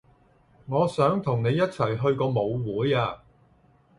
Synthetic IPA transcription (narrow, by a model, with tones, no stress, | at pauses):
ŋɔː˨˧sœː˨˥ŋt̪ʰʊ˨˩ŋne˨˧jːɐ˥t̚t͡sʰɐ˨˩jɦɵ˧ɥkɔː˧mo˨˧wwuː˨˥jaː˧